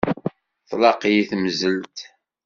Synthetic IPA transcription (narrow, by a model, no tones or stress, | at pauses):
θlɑqiθmzəlt̪